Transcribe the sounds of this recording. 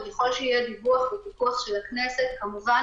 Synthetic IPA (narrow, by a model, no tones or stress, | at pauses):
jeχo̞lʃeijɛd̪ivuaχvet̪ikuaχʃe̞laknese̞t̪̚kamuva